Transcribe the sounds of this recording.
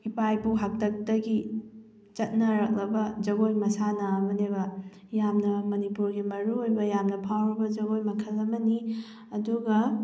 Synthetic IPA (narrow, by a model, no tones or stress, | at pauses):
hipʰajbuɦak̚tɐk̚tɐɡi | t͡ʃɐt̚nɐɾɐk̚lɐbɐd͡ʒɐɡojmɐsanɐːmɐnebɐ | jamnɐmɐnipuɾɡimɐɾuojbɐjamnɐpʰawɾɐbɐd͡ʒɐɡojmɐkʰɐlɐmɐni | ɐduɡɐ